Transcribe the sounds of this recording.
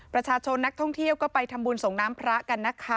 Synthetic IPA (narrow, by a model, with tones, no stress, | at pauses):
pɾa˧t͡ɕʰaː˧t͡ɕʰo˧nːa˦˥k̚t̪ʰɔ˥˩ŋt̪ʰi˥˩əwkɔː˥˩pa˧jt̪ʰa˧mbuː˧nso˨˩˦ŋnaː˦˥mpʰɾa˦˥ʔka˧nːa˦˥˩kʰa˦˥˩